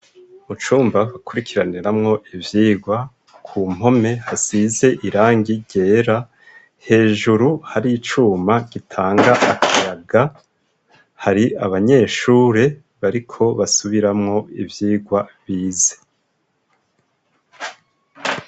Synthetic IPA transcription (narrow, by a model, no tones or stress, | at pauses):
mut͡ʃuːmbaβakuɾikʰiɾaniɾamŋo̞ʔivjiːɡwa | kʰuːm̥ho̞me̞hasize̞ʔiɾaːŋɡiɟe̞ːɾa | he̞ːʒuɾuhaɾiit͡ʃuːmaɡ̥itʰaːŋɡaʔːkʰajaɡa | haɾiaβaɲe̞ːʃuːɾe̞ | βaɾikʰo̞βasuβiɾamŋo̞ḭvjiːɡwaβiːze̥